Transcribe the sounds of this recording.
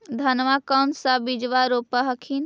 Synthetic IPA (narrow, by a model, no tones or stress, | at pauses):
d̪ʱənʋakənsabid͡ʒʋaɾopəɦəkʰin